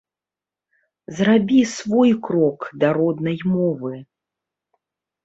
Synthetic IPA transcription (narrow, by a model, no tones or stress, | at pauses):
zrabʲisvɔjkɾɔkd̪ɐɾɔd̪nɐjmɔvɨ